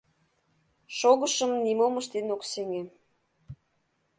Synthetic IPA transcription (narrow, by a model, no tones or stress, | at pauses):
ʃoɣəʃəmnimoməʃt̪enokseŋe